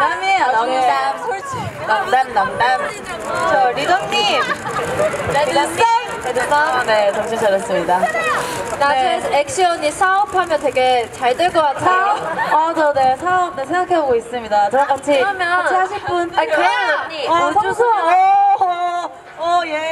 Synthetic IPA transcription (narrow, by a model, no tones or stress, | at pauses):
ameae | namdannamdan | t͡ɕʌɾidʌɲim | i | edɯsʰabnet͡ɕʌŋɕʰit͡ɕaɾʌs͈ɯmɲida | naɯek̚ɕ͈iʌɲisʰaʌpʰamjʌntwe̞ɡet͡ɕaɭt͈ɯɭkʌk͈atʰaʌnone̞sʰaʌb̚nɯsʰeŋɡakʰe̞boɡois͈ɯmɲidat͡ɕɯɾʌɡat͡ɕʰimjʌiaɕʰip͈unokʰeɲisʰo